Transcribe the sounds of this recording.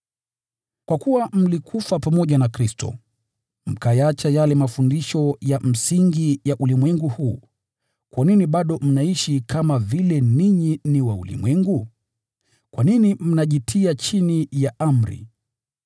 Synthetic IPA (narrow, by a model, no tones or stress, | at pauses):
kwakuwam̩likʰufapamɔʄanakɾistʰɔ̰ | m̩kajat͡ʃajalɛmafundiʃɔjam̩siŋɡijaʔulimwɛŋɡuhuː | kwʔaniniɓaɗɔm̩naiʃikamavilɛniɲiniwaṵlḭmwɛŋɡu | kwʔaninim̩naʄitʰiat͡ʃinijaʔam̩ɾḭ